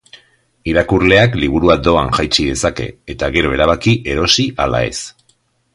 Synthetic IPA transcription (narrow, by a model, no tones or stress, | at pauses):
iɾakurle̞akliβ̞uɾuad̪o̞aŋʝajt͡ʃiðe̞sake̞̰ːt̪aɣe̞ɾo̞e̞ɾaβ̞akiʔe̞ɾo̞siʔala̰e̞̰s